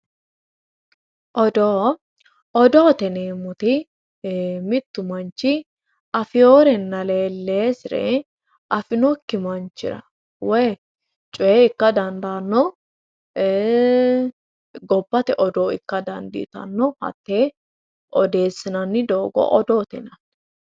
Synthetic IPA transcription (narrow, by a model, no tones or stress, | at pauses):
ʔɔd̪oː | ɔd̪oːt̪ɛneːmʊt̪ɪ | mɪt̪ːʊmɐnt͡ʃːɪ | ʔɐfɪjoːɾɛnːɐleːlːeːsɪɾɛ̰ | ʔɐfɪnɔkːɪmɐnt͡ʃːɪ̰ɾɐ̰ | wɛ | t͡ʃʼʊeɪkːɐd̪ɐnd̪aːnːɔ | ɡɔbːɐt̪ɛʔɔd̪oːɪ̰kːɐd̪ɐ̰nd̪ɪ̰t̪ɐ̰nːɔhɐ̰t̪ːeː | ʔɔd̪e̞ːsːɪnɐnːɪd̪oːɡɔ̰ʔɔd̪oːt̪ɛ̰nɐt̪ː